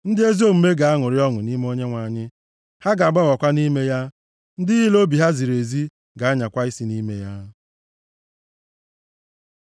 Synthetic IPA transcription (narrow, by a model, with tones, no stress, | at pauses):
n̩˦dɪ˦e˦zi˦o˦˨m̩˨me˦ɡa˨a˦ŋʊ˨ɾɪ˦ɔ˦ŋʊ˨ni˦me˦o˦ɲe˦ŋʷa˨ɲɪ˦ | ha˦ɡa˨ɡ͡ba˦ɣɔ˨kʷa˦ni˦me˦ja˦ | n̩˦dɪ˦ɦɪ˦lo˦bi˨ɦa˦zi˨ɾe˨zi˦ | ɡa˨a˦ɲa˨kʷa˦i˦si˦ni˦me˦ja˦